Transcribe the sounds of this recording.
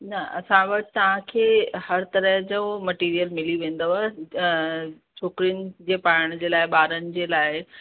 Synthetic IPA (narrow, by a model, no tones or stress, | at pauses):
nɐɐ̰sãʋɐʈt̪ɐʋ̤ãkʰeːhɐɾt̪ɐɾəɦd͡ʑomɐʈiːɾijəlmɪliʋẽːn̆d̪əʋa | t͡ɕʰoːkɪɾijənɪ̆d͡ʑeːpaːɽɽ̃d͡ʑeːlaːɪɓaːɾənɪ̆d͡ʑeːlaːɪ